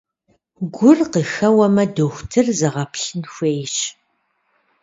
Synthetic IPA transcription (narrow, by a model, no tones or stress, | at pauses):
ɡʷʊrqəxɐwɐmɐdoxʷtʰɨrzɐʁɐpɬɨnxʷeːjɕ